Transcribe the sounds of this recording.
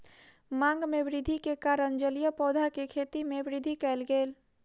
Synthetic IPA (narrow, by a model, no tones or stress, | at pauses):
mãŋɡmeʋɾɪd̪ʱikekaɾənd͡ʒəlijəpɔd̪ʱakekʰet̪imeʋɾid̪ʱikɛɪlɡel